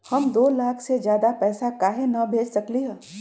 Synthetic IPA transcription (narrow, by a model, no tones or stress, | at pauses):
hɐmd̪oːlaːkʰsed͡ʒjaːd̪apɛːsakaːɦenɐbʱeːd͡ʒsɐkliɦɛː